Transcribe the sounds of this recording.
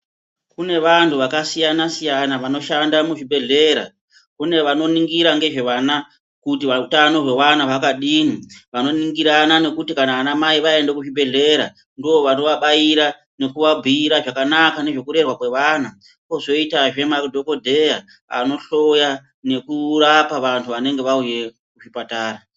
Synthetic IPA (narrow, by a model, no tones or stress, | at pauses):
kune̞ʋantʰuʋakasijanasijanaʋano̞ʃandamuʐibʱe̞ɮe̞ɾa̰ | kune̞ʋano̞niŋɡiɾaŋɡe̞ʐe̞ʋana | kutiʋautano̞ʐe̞wanaʋakaɗiːniʋano̞niŋɡiɾanane̞kutikanaːnamaiʋae̞ndekuʐibʱe̞ɮe̞ɾa | ndio̞ʋano̞ʋaɓajiɾa | ne̞kuʋabʱiiɾaʐakanakane̞ʐe̞kuɾe̞rwakwe̞ʋana | kozo̞itaʐe̞mardʱo̞ko̞dʱe̞ja | a̰no̞ɬo̞ja | ne̞kurapaʋantʰuʋane̞ŋɡe̞ʋauje̞ | kuʐipataːɾa